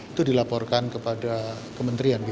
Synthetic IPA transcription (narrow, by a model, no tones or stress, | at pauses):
it̪udilapɔrkankəpada | kəmənt̪ɾianbi